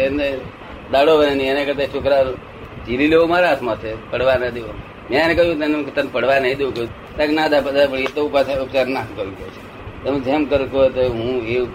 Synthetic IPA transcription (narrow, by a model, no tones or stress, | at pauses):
ene | d̪aɽoʋənenienekəɾt̪at͡ʃʰokɾa | d͡ʒilileʋomaɾaːt̪mãt͡ʃʰepəɽʋanəd̪eʋo | mjãnekəɦjũt̪enekt̪ənpəɽ̤ʋanəɦĩd̪eʋũkəjũ | t̪ãknãd̪apəd̪apəɽiet̪oupat͡ʃʰaokt͡ʃaɾnakəɾũkot͡ʃʰe̥ | t̪em̃d͡ʒemkəɾũkot̪oɦũe